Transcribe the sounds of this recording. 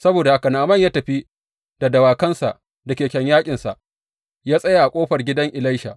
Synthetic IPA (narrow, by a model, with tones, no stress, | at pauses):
sɐ˦boː˨da˨ʔa˨kɐ˨naː˨mɐ˦˨ɲjaː˦tɐ˨ɸi˦ | d̥a˨dɐ˨waː˨kɐ˦nsa̰˨ʔ | dɐ˨kʲeː˨kʲɐ˨ɲjaː˦kʲʼɪ˨nsa˨ʔ | jaː˦sʼɐ˦ja˨ʔa˨kʷʼoː˦ɸɐ˨rɡʲɪ˦dɐ˦ŋʔɪ˨la˦jʃa̰˨ʔ